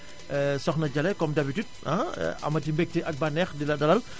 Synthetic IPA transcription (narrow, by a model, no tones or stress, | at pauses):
əsɔxnad͡ʒalɛkɔmdabitut̚a̰a̰mat̬imbɛk̚tiʔak̚banɛxdiladalal